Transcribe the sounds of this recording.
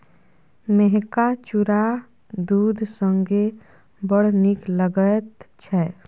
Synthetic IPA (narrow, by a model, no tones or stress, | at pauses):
meɦkat͡ʃuɾa | d̪uːd̪ʱsə̃ŋɡe | bəɽnikləɡət̪t͡ʃʰɛ